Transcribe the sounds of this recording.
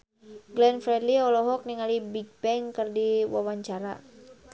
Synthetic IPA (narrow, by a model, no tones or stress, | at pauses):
ɡlɛnfɾɛdliɔlɔɦɔk̚niŋalibiɡ̚bɛŋkərdiwawaɲt͡ʃaɾa̰